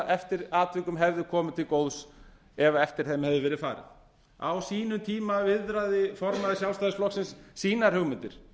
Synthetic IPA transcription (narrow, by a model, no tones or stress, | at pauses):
ɛft̪ɪɾaːt̪vɪkʏmɦɛvðɪkʰɔːmɪt̪ʰɪlkowðs | ɛvaɛft̪ɪɾ̥θɛmhɛvðɪvɛɾɪðfa̰ːɾɪ̰ð | a̰wsiːnʏt̪ʰiːmavɪðɾaðɪfɔɾmaðɪsjawlst̪ajðɪsflɔksɪnsːiːnaɾ̥hʏɣmɪnt̪ɪɾ̥